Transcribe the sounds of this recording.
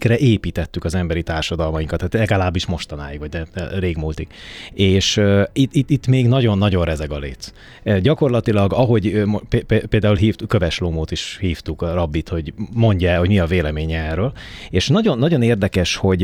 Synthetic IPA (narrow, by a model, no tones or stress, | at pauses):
krɛʔeːpiːt̪ɛt̪ːykɒzɛmbɛɾit̪aːrʃɒd̪ɒlmɒjiŋkɒt̪ːaːt̪lɛɡɒlaːbːiʃmo̞ʃt̪ɒna̰ːjikʋɒɟnɛreːɡmuːlt̪ikeːʃit̪it̪ːit̪ːmeːɡnɒɟo̞nːɒɟo̞nrɛzɛɡɒlḛːt̪ | ɟɒko̞rlɒt̪ilɒɡɒɦo̞ɟmpepepeːld̪aːulɦiːft̪køvɛʃlomoːt̪iʃhiːft̪ukrɒbːit̪ho̞ɟmo̞ɲɟɛɛho̞ɟmiɒveːlɛmeːɲɛɛːrøːl | eːʃnɒɟo̞nːɒɟo̞neːrd̪ɛkɛʃho̞ɟ